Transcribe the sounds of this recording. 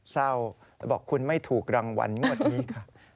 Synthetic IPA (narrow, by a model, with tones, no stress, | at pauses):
sa˥˩w | lbɔ̰ː˨˩kʰːu˧nma˥˩jt̪ʰuː˨˩k̚ɾaː˧ŋwa̰˧˥nŋu˥˩ət̪̚niː˦˥kʰa˥˩